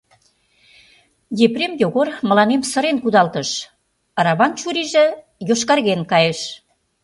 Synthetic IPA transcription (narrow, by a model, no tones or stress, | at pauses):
jepremjoɣormə̆lɑnemsə̆ɾenkud̪ɑlt̪ə̆ʃ | ɑɾɑβɑnt͡ɕuɾiʒĕ | joʃkɑrɣenkɑjeʃ